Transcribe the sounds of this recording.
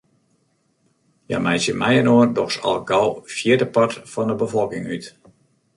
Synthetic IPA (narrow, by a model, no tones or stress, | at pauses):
ja̰mɛjsjəmɛjənoəndɔxsɔ̰lˠɡɔlˠfjɪədəpɑtfɔndəbəfɔlˠkɪŋyt